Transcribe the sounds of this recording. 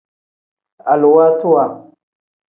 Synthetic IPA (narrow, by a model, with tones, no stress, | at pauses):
a̰˨lu˨wa˦tu˦wa˨